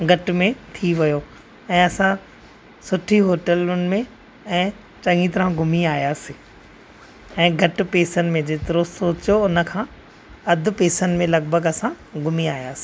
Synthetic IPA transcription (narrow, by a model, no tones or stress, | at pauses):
ɡʱɐʈmẽt̪ʰiʋɐjoː | ɛ̃ːɐsã | sʊʈʰiɦoːʈəlʊnɪ̆mẽ | ɛ̃ː | t͡ɕɐ̃ŋɡit̪ɐɾãɡʱʊmiaːijaːsi | ɛ̃ːɡʱɐʈɪ̆peːsənɪ̆mẽd͡ʑeːt̪ɪɾosoːt͡ɕjoʊnə̆kʰãː | ɐd̪ʱʊ̆peːsənmẽlɐɡbʱəɡɐsã | ɡʱʊmiaːjaːsi̥